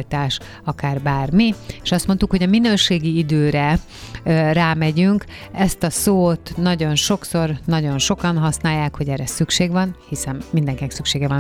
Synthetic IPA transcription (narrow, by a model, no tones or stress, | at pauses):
lt̪aːʃ | ɒkaːrbaːrmieːʃɒst̪mo̞nt̪ukho̞ɟɒminøːʃeːɡiid̪øːɾɛ | raːmɛɟyŋk | ɛst̪ɒsoːt̪nɒɟo̞nʃo̞kso̞rnɒɟo̞nʃo̞kɒnɦɒsnaːjːaːkho̞ɟɛrɛsykʃeːɡʋɒnhisɛnːind̪ɛŋkinɛksykʃeːɡɛvɒn